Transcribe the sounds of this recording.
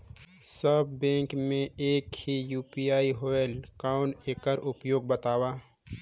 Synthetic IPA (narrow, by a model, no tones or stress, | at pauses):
səbːɛ̃ːŋkmẽeːkhijuːpijaːiɦoːelkaːʊneːkəɾʊpjoːɡ̚bət̪aːwaː